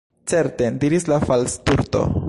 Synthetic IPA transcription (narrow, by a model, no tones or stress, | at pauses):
t͡seɾt̪ed̪iɾislafalst̪uɾt̪o̰